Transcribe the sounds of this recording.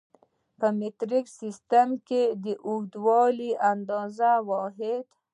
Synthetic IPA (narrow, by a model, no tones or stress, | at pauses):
pəmɪt̪ɾiksist̪amked̪əʔud̪wɑliʔand̪ɑzawɔɦɪd̪